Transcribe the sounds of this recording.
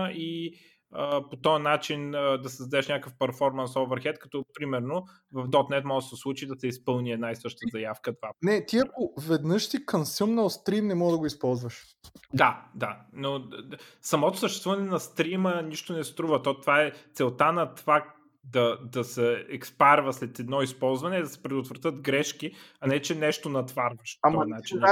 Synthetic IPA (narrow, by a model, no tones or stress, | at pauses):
i | əpot̪ɔjənat͡ʃinəd̪ɐsəzd̪ɐɛʃnʲakəfpɛɾfɔɾmɐnsovɛɾxɛt̪̚kɐ̥t̪ɔpɾimɛɾno | vɐvd̪ɔt̪nɛt̪mɔʒəsɛslˠut͡ʃid̪ɐsɛispɤlˠniɛd̪naisɤʃt̪əzɐjafkət̪vanɛt̪iɐkovɛd̪nɤʃt̪ikɐmsimnɐlˠst̪ɾimnɛmɔɡd̪ɐɡʊispɔlˠzvəʃ | d̪ad̪ano | sɐmɔt̪o̥səʃt̪ɛst̪vuvɐnɛnɐst̪ɾiməniʃt̪onɛst̪ɾuvət̪ɔt̪vaɛt̪sɛlˠt̪anɐt̪fak | d̪ɐd̪ɐsɛɛkspaɾvəslɛt̪ɛd̪nɔispɔlˠzvɐnɛid̪ɐsɛ̥pɾɛd̪ot̪vɾɐt̪ɤt̪ɡɾɛʃkiɐnɛt͡ʃɛnɛʃt̪onɐt̪vaɾvəʃpaɔat͡ʃin